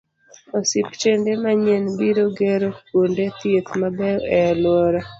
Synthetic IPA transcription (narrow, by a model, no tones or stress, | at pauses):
ɔsɪpt͡ʃendemaɲenbiɾoɡeɾokwondet̪jet̪mabɛɛlwɔɾɔ